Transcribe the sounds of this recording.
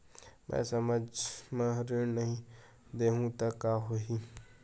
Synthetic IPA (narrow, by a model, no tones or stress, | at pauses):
mɛ̰̃səməd͡ʒmə̃ɾiɽnəɦĩ | d̪eːɦũt̪akːaːɦoɦi